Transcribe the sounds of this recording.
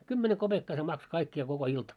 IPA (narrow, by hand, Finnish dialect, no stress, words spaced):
kymːene kob̥ekːɑː se mɑkso kɑikːiɑ koko iltɑ